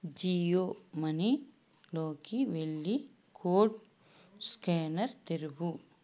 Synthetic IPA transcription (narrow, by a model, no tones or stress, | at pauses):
d͡ʒiːjoːmɐni | loːkiʋeɭːi | kʰoːʈ | skeːnɐɾt̪eɾubu